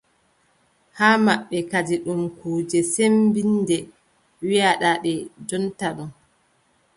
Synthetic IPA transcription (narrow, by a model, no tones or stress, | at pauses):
haːmaɓːɛkad͡ʒiɗumkuːd͡ʒɛsembindɛ | wijaɗaɗɛd͡ʒɔntaɗum